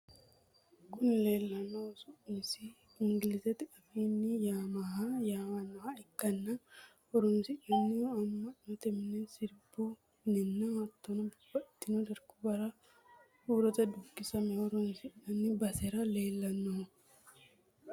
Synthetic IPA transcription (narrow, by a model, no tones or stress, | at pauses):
kʊnle̞ːlːɐnːosumɪsi | ɪŋɡɪlɪsɛt̪ːɪʔɐfiːnːɪjaːmaɦajaːmɐnːɔhaɪkːɐnːɐ | ɔɾʊnsɪᶑɐnːɪɐmːɐnɔt̪ɛmnɛsɪɾbu | nɪnːɐhɐt̪ːɔnɐbʊb̥ːɐɪt̪ːɪnud̪ɐɾkʊ̥bɐɾɐ | huːɾɔt̪ɐd̪ʊkːɪsɐmɛɔɾʊnsɪᶑɐnːɪbɐsɛɾɐle̞ːlːɐnːo